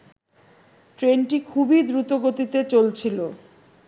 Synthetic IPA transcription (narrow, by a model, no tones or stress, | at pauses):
ʈɾenʈikʰubid̪ɾut̪oɡot̪it̪et͡ɕolt͡ɕʰilo